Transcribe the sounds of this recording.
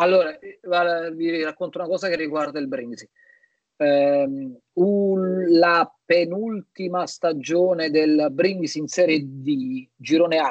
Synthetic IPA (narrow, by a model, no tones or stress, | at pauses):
alːoːɾavavirakːont̪aunakɔːzakerːiɡward̪ailbɾiŋɡisi | ulapenult̪imast̪ad͡ʒoːned̪elbɾiŋɡisinsɛːɾjed̪id͡ʒiɾoːnea